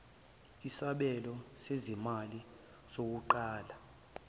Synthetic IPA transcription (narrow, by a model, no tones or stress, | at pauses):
isaɓɛlɔsezimali | z̥ok̬uǃaːla